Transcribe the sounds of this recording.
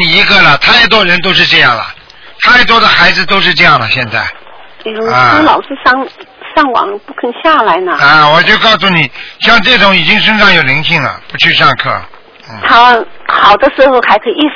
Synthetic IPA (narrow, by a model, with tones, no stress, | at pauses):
ni˨˩i˧˥ɡə˧lə˨t̪ʰa˥˩ɪt̪̬wɔ˥ɻə˧˥nt̪o˥ʊʂ̬ɻ̩˥˧ʈ͡ʂɤ˥˧jɑ˥˩ŋlə̰˩ | t̪ʰa˥˩ɪt̪wɔ˥d̪ə˨xa˧˥ɪd͡zɹ̩˧t̪o˥ʊʂɻ̩˥˧ʈ͡ʂɤ˥˧jɑ˥˩ŋlə̰˩ɕjɛ˥˧nt͡sa˥˩ɪ˧ | u˧˥a˧ə˥lɑ˨˩ʊʂɹ̩˥˧ʂɑ˥˩ŋʂɑ˥˩ŋwɑ̰˨˩˦ŋpu˥˧kʰə˥˧ŋɕja˥˩la˧˥ɪnə˧a˥˧wɔ˨˩t͡ɕjo˥˧ʊkɑ˥˧ʊsu˥˩ni˨˩˦ɕjɑ˥˧ŋʈ͡ʂɤ˥˩ʈ͡ʂʊ˧˥ŋi˨˩t͡ɕi˥ŋʂə˥ŋʂɑ˥˩ŋjo˨˩ʊli˧˥ŋɕʰi˥˩ŋlə̰˩pu˧˥t͡ɕʰy˥˧ʂɑ˥˧ŋkʰɤ̰˥˩˥ | t̪ʰa˥xɑ˨˩ʊd̪ə˦ʂɻ̩˧˥xo˧ʊxa˧˥ɪkʰi˩i˥˩